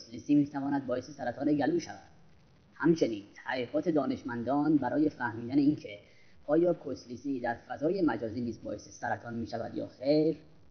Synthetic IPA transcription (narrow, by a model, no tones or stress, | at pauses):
slisiːmiːt̪ʰævɒːnæd̪̚bɒːjesesæɾæt̪ʰɒːneɡæluːʃævæ̰d̪̥̚ | hæmt͡ʃʰe̞niːnt̪ʰæʁiːʁɒːt̪ʰe̞d̪ɒːne̞ʃmænd̪ɒːnbæɾɒːje̞fæhmiːd̪æneiːncʰe | ʔɒːjɒːkʰosliːsiːd̪æɾfæzɒːje̞mæd͡ʒɒːziːniːzbɒ̰ːʔesesæɾæt̪ʰɒːnmiːʃævæ̰d̪jɒ̰ːxejɾ